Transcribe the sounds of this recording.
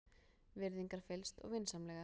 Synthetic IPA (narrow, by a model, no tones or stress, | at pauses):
vɪɾðiŋkaɾ̥fɪlst̪ɔ̰ɣvɪnsamlɛːɣa